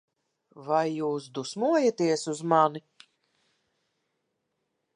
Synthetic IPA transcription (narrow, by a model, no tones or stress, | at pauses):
vajːuːs̬d̪usmuɔjat̪iɛsuzmani